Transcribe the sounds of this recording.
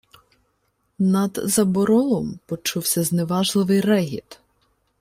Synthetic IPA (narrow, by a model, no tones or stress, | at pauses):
nɐd̪zɐbɔɾɔlˠɔmpɔt͡ʃuwsʲɐzneʋɑʒlˠɪʋɪjrɛɦʲḭt̪